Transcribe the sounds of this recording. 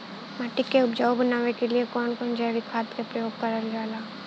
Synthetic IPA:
maːʈɪkːeʊpd͡ʒaːwbɐnaːʋekeliekɔːnkɔːnd͡ʒəjʋɪkʰaːt̪kepɾɐjoːɡ̚kɐɾəlɡaːlaː

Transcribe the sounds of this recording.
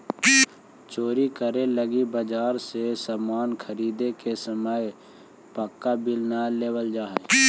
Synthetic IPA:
t͡ʃoːɾikəɾeləɡibəd͡ʒaːɾsesaːmaːnkʰəɾiːd̪ekesəməj | pəkːabɪlnaleːwəld͡ʒaːɦɛ

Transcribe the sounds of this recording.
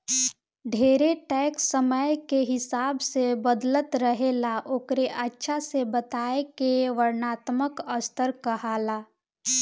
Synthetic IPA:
ɖʱeːɾeʈɛːksːəməjkeɦɪsaːbsebəd̪lət̪ɾəɦeːlaʔoːkɾeʔətːʃʰasebət̪aːekeʋəɾnaːt̪məkəst̪ʰəɾkəɦaːlaː

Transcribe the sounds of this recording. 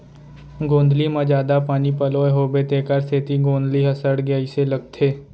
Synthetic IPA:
ɡõːnd̪limãd͡ʒaːd̪apaːnipɐloeɦoːbet̪eːkəɾseːt̪iɡõːnd̪liɦɐsəɽɡəiselɐɡ̚t̪ʰeː

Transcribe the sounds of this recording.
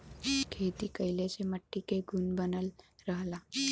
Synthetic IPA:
kʰeːt̪ikəɪleseməʈːikeɡʱunbənəlɾəɦlaː

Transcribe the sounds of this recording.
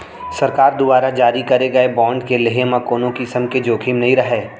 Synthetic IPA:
sɐɾkaːɾd̪ʊbaːɾad͡ʒaːɾikɐɾeɡɐebãːɳɖkeleɦemãkoːnõkisəmked͡ʒoːkʰimnɐɦĩɾɐɦeː

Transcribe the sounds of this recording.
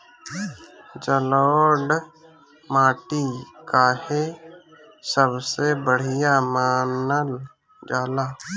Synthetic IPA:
d͡ʒəloːɖ | maːʈikahe | səbsebəɽ̤ijamaːnəl | d͡ʒaːlaː

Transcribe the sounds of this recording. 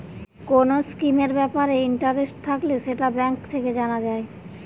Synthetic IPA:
konoskimeɾbɛpaɾeiɳʈaɾesʈ̚t̪ʰakleʃeʈabɛŋkt̪ʰeked͡ʑanad͡ʑae

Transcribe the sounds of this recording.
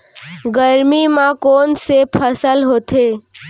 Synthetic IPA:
ɡəɾmimãkoːnsepʰəsəlɦoːt̪ʰeː

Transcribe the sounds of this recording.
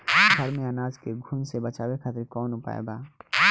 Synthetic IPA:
ɡʱɐɾmẽɐnaːzkeɡʱuːnsebɐt͡ʃaːwekʰaːt̪ɾkɔːnʊpa̰ːḛbaː

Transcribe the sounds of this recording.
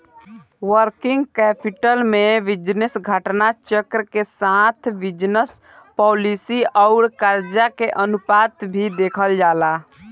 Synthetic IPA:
wəɾkɪ̃ŋɡkɛːpɪʈəlmẽʋɪd͡ʒnəsɡʱəʈnat͡ʃəkɾəkesaːt̪ʰʋɪd͡ʒnəs | pɔːlisiɔʊɾkaɾd͡ʒakeʔənʊpaːt̪bʱid̪eːkʰəld͡ʒaːlaː

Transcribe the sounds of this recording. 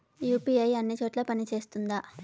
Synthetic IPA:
juːpiɐjɐnːit͡ʃo̞ːʈlaːpɐnit͡ʃe̞ːst̪und̪a

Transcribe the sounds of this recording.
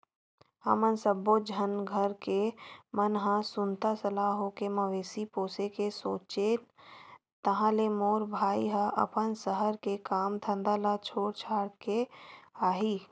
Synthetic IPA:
ə̰mənsəbod͡ʒʱənɡʱəɾkemənɦãsʊnt̪asəlaːɦokeməʋeːsipoːsekesoːt͡ʃe | t̪əɦãlemoːɾbʱaːḭɦəʔə̰pənsəɦəɾkekaːmd̪ʰʱə̃nd̪aːlat͡ʃʰoːɽt͡ʃʰaːɽkeaːɦiː

